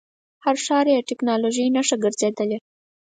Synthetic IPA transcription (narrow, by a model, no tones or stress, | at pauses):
haɾʃɑɾjeʈɪknɑloʒijnaʂaɡəɾzed̪əle